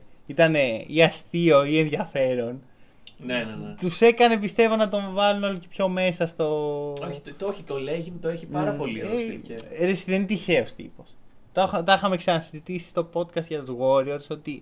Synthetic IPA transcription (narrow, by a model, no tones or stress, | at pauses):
it̪ɐne̞iɐst̪io̞ienðʝɐfe̞ɾo̞n | nenenet̪use̞kɐne̞pist̪e̞vo̞nɐt̪o̞ɱvɐluno̞locepço̞me̞sɐst̪o̞oçi̥t̪oçit̪oleʝimut̪oeçipɐɾɐpo̞lieɾesiðent̪içe̞o̞st̪ḭpo̞st̪ɐxt̪ɐixɐme̞ksɐnɐsizit̪isi̥st̪o̞po̞t̪kɐst̪ʝɐt̪ozɣo̞ɾioɾso̞t̪i